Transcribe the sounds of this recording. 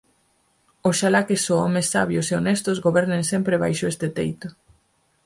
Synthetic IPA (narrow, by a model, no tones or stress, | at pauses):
osʃalakesoɔmesːaβjoseonest̪ozɣoβɛɾneŋsɛmpɾeβa̰jʃʊest̪ɪt̪ḛjt̪ʊ